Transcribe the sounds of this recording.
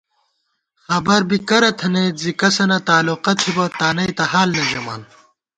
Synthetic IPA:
xɐbɐɾbikɐɾɐt̪ʰɐneːzikɐsɐnɐt̪aːluqɐt̪ʰibɐt̪aːnɐjt̪ɐhaːlnɐʑɐma̰ːn

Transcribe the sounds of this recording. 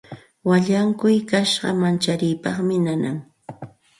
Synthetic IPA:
waʎaŋkʊjkaʃɢɑ̰mant͡ʃaɾɪjpɑχmɪnana̰ŋ

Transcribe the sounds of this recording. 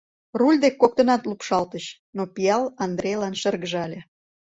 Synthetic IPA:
rulʲd̪ekːok̚t̪ə̆nɑt̪lupʃɑlt̪əɕ | nopijɑlɑnd̪ɾejlɑnʃərɣəʒɑlʲe

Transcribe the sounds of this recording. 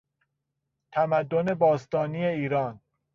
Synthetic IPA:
t̪ʰæmæd̪ːone̞bɒːst̪ɒːnijeiːɾɒːn

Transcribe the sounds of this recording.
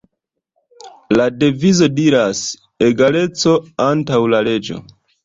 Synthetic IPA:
lade̞vizo̞diɾas | e̞ɡale̞t͡so̞antawlale̞d͡ʒo̞̰

